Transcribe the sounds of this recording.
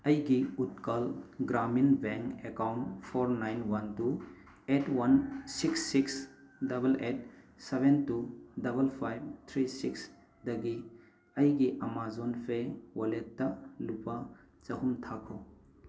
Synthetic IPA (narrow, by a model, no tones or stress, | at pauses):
ɐjɡiut̚kalɡɾaminbɛŋkekawntpʰɔɾnajnwɐntu | etwansiksːiks | dɐbɐlet̚sebentudɐbɐlpʰajb̚t̪ʰɾisiks | dɐɡi | ɐjɡiʔɐmazɔnpʰewoletːɐlupa | t͡ʃɐɦumtʰakʰow